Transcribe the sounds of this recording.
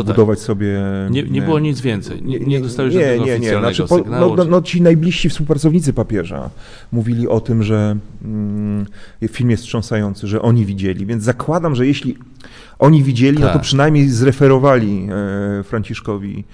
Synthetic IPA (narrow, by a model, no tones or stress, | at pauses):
bud̪ɔvat͡ɕsɔbʲjɛɲɛɲɛɨwɔɲid̪zvʲjɛnt̪sɛ̰jɛɲɛd̪ɔawɲɛɲɛɲɛnaʂɨpɔnɔɔnɔt͡ɕinajblʲiʂɕifspuwpɾat̪ɔvɲit̪sɘpapʲjɛʐa̰ | muvʲilʲiʔɔt̪ɘmʐɛ | jfʲilmjɛst̪ʂɔ̃w̃sajɔnt̪sɘʐɛʔɔɲivʲid͡ʑelʲivʲjɛnd̪zakwad̪amʐɛjeɕlʲi | ʔɔɲivʲid͡ʑelinɔt̪ɔpʂɘnajmʲɲejzɾɛfɛɾɔvalʲi | fɾaɲt͡ɕiʂkɔvʲḭ